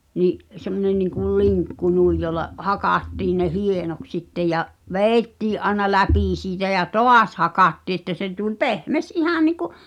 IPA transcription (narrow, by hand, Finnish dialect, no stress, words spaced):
niʔ semːonen niŋkul liŋkːu nuij jolːɑ hɑkɑˑtːiːn ne hienoks sitːe jɑʔ ʋeːĭtːiːʔ ʔɑĕnɑ læpiˑ siːtæ jɑ toɑs hɑkɑtːiː ĕtːæ se tulʲ pehmes ʔihɑˑ niˑku